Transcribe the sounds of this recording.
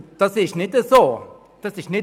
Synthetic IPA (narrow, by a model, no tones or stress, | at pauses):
t̪asiʃnĩt̪eso | t̪asiʃnĩ